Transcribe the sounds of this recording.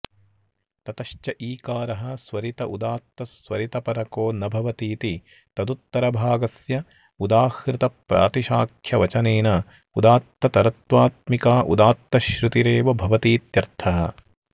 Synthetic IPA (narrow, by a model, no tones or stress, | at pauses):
t̪ɐt̪ɐʃt͡ʃɐʔiːkaːɾɐɦɐ̆sʋɐɾit̪ɐʔud̪aːt̪ːɐsʋɐɾit̪ɐpɐɾɐkoːnɐbʱɐʋɐt̪iːt̪i | t̪ɐd̪ut̪ːɐɾɐbʱaːɡɐsjɐ | ud̪aːhɾɪt̪ɐpɾa̰ːt̪iʃaːkʰjɐʋɐt͡ʃɐneːnɐ | ud̪aːt̪ːɐt̪ɐɾɐt̪ʋaːt̪mikaːʔṵd̪aːt̪ːɐʃɾut̪iɾeːʋɐbʱɐʋɐt̪iːt̪jɐɾt̪ʰɐɦɐ̰̆